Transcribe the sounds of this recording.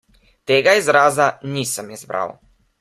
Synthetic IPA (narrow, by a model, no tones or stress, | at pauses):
t̪ɛɡaizɾazanisəmizbɾa̰lˠ